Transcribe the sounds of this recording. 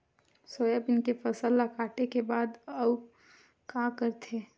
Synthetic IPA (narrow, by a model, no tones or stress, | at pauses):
soːjəbɪnkefəsəlːakaːʈekebaːd̪ə | kakəɾt̪ʰe